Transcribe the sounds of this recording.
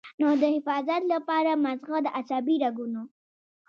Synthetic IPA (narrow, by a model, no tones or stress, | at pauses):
nod̪əhɪfɑzat̪lapɑɾamazɣad̪əʔasabiɾaɡuno